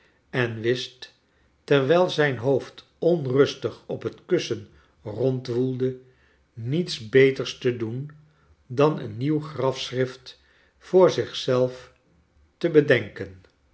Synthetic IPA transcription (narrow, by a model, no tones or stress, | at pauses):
ɛnʋɪst | ɛɹʋɛlˠzɛjnɦowft | ɔnrɵstəχɔpɦətkɵsən | rɔntʋulˠdə | nitsbejtəɹstədun | dɑnə̰nːiwχrɑfsrɪft | fʊːɹzɪχsɛlˠf | təbədɛŋkən